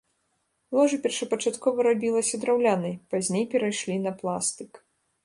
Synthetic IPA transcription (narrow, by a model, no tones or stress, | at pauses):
lˠɔʐɨpʲɛrʂɐpɐt͡ʂat̪kɔvɐɾabʲilˠɐsʲɐd̪ɾawlʲanɐjpazʲnʲejpʲɛɾajʂlʲinɐplˠast̪ɨk